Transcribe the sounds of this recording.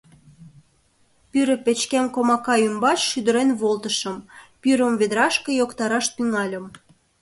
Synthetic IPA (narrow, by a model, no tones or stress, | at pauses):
pyɾə̆pet͡ɕkæmkomɑkɑymbɑt͡ɕʃyd̪ə̆ɾenβolt̪əʃəmpyɾə̆mβed̪əɾɑʃkejokt̪ɑɾɑʃt̪yŋɑlʲə̆m